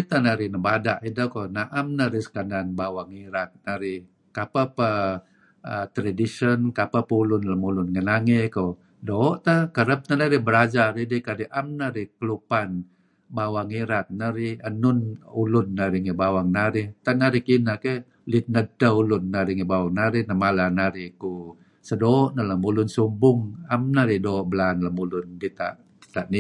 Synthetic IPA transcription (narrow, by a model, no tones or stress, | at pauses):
it̪anaɾinəbadaʔidəkonaʔamnaɾisə̥kananbawaŋiɾat̪̚naɾi | kapapə | ət̪ɾadisənkapapəulʊnləmulʊnŋənaŋeko | doːʔt̪əkəɾəp̚nənaɾibəɾad͡ʒaɾidikadiʔamnaɾikəlupan | bawaŋiɾat̪̚naɾiənʊnulʊnːaɾiŋebawaŋnaɾɪht̪anaɾikinake | lit̪̚nədəulʊnːaɾiŋebawaŋnaɾinəmalanaɾiku | sədoːʔnələmulʊnsumbʊŋamnaɾidoːʔbəlanləmulʊndit̪a̰ʔ | dit̪aʔni